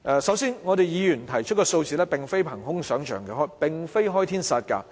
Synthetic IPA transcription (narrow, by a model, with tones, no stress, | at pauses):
ʔɛ˧sɐ˨˥wsiː˥nŋɔ˨˧ɾe˨jjiː˨˧jyː˨˩nt̪ʰɐ˨˩jt͡ʃʰt̚kɔː˧so˧wt͡siː˨lɛː˥pɪ˨ŋfe˥jpʰɐ˨˩ŋɦʊ˥ŋsœː˨˥ŋt͡ʃʰœː˨˩ŋkɛː˧ɦɔː˥jpɪ˨ŋfe˥jɦɔː˥jt̪ʰiː˥nsɐ˨˧t̚kɐ̰˧